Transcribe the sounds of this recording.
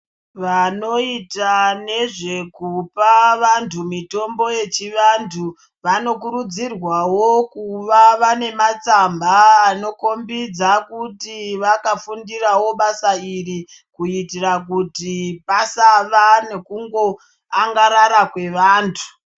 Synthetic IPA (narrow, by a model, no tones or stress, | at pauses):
ʋano̞itane̞ʐe̞kupaʋantʰumito̞mbo̞je̞t͡ʃiʋantʰu | ʋano̞kuɾud͡zirwawokuʋaʋane̞mat͡sambaːno̞ko̞mbid͡zakutiʋakafundirawo̞ɓasairi | kuitirak̬utipasaʋane̞kuŋɡo̞ | aŋɡaɾaɾakwe̞ʋaːntʰu̥